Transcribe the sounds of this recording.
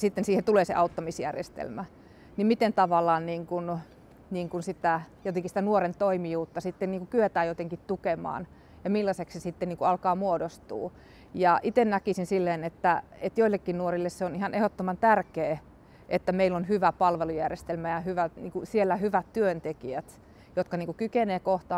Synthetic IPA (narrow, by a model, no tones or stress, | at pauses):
sit̪ːensiːhent̪uleːsḛʔɑut̪ːɑmisjæ̰rjḛst̪ḛlmæ | nimmit̪ent̪ɑʋɑlːˑɑːnniːŋkun | niːŋkunsit̪æjot̪eŋkisit̪ænuorent̪oimijuːt̪ːɑsit̪ːenniːŋkukyet̪æːjot̪eŋkit̪t̪ukemɑ̰ːn | jɑmilːɑseksesit̪ːenniːŋkuɑlkɑːmuodost̪ṵː | jɑʔit̪ennækisinsilːeːnet̪ːæ | et̪joilːekːinnuorilːesseonihɑnehot̪ːomɑnt̪ærkeː | ʔet̪ːæmeilːonhyʋæpɑlʋelujærjest̪elmæjɑhyʋæt̪nḭːŋkusielːæhyʋæt̪tyønt̪ekiæt̪ | jot̪kɑniːŋkukykeneːkoht̪ɑ